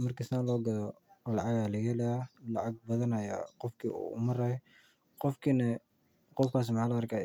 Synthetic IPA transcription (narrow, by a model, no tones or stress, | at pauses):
mɐrkʰisnaːlɔːɡɐlɔlɑʕɑɣaːlɐɣɛlɐalɑʕɑɡ̚bɐðɐnɐjaqɔfkʰḭṵːʊ̰mɐɾɐ | qɔfkʰiːnɐ | qɔfkʰaːs̬mħaːlɐrkʰaː